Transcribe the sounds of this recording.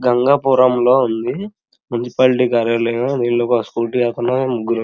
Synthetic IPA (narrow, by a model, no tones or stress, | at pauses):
ɡɐŋɡaːpuːɾɐmlo̞ːund̪i | munisi̥paːlʈiːkaːɾjaːɾlɐjad̪iːnloːkoskuːlʈiaːt̪ɐnoemuɡːuɾu